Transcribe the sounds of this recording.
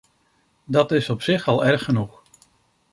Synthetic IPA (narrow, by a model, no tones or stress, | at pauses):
dɑtɪsɔpsɪχɑlˠɛɹχːənuχ